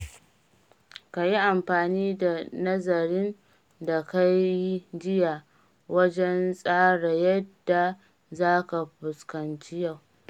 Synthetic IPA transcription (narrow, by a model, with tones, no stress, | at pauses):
ka˨ji˦ʔa˨mɸaː˨niː˦da˨nɐ˦zɐ˨ɾɪ˦n | da˨ka˦jji˦d͡ʒɪ˦ja˨ | wɐ˦d͡ʒɛ˦nsʼaː˦ɽa˨jɐ˦dːa˨ | zaː˦ka˨ɸʊ˨skɐ˨nt͡ʃi˦ja˦˨w